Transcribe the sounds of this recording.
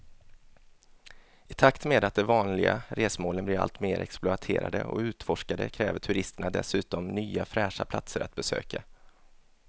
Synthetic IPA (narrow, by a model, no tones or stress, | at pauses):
ɪt̪ʰakt̪meːd̪at̪̚d̪ɛvɑːnlɪɡaɾeːsmoːlənblɪɾa̰lt̪meːɾʔɛ̰ksplʊat̪ʰeːɾa̰d̪ə̰ɔ̰ʉ̟ːt̪fɔʂkad̪ə̰kʰɾɛːvətʰɵɾɪst̪əɳad̪ɛ̰sʉ̟ːt̪ɔmnyːafɾɛːʂapʰla̰t̪səɾat̪̚bɛsø̰ːka